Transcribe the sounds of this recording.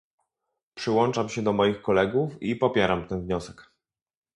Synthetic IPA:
pʂɘwɔnt͡ʂamɕɛd̪ɔmɔjixkɔlɛɡufipɔpʲjɛɾamt̪ɛnvɲɔsɛk

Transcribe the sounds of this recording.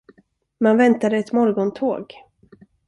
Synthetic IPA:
manvɛnt̪ad̪əɛt̪mɔɾɡɔnt̪ʰoːɡ

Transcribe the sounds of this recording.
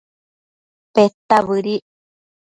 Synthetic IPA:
pet̪aβɨɾi

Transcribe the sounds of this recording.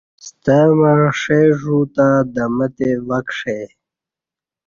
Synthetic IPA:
st̪əmaʂeʐut̪ad̪əmət̪eʋakʂe

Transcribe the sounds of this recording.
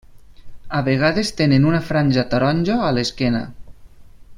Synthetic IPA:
aβeɣ̞aðest̪enenunafɾanʲʒat̪aɾɔnʲd͡ʒoaleskena̰

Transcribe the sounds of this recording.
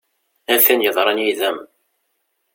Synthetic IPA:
ænθænjəðˤɾˤɑnjiðæm

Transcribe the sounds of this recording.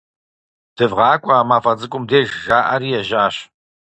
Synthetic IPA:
d̥ɨvʁɑːkʷʼaːmaːfɐd͡zɨkʷʼʊmdeːʒʒaːʔɐɾiːjɛʒaːɕ

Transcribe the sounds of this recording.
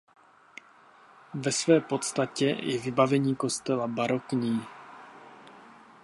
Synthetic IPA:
vɛsvɛːpo̞t̪st̪acɛjɛvɪbavɛɲiːko̞st̪ɛlabaɾo̞kɲiː

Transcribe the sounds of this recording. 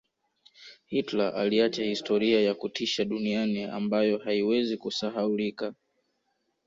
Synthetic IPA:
hitlaʔaliat͡ʃahistɔɾiajakutiʃaɗuniania̰mbajɔhaiwɛzikusaɦaulika

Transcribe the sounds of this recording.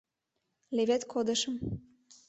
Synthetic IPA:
leβet̪kʰod̪ə̆ʃə̆m

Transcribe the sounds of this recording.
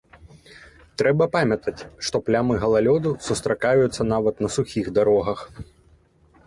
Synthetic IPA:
t̪ɾɛbɐpamʲɐt̪ɐt͡sʲʂt̪ɔplʲamɨɣɐlˠalʲɔd̪usust̪ɾakajut̪sːɐnavɐt̪nɐsuxʲiɣd̪aɾɔɣɐx

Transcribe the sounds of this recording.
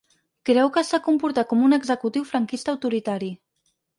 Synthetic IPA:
kɾɛwkəsakumpuɾt̪akɔmunəɡzəkut̪iwfɾəŋkist̪əːwt̪uɾit̪aɾi

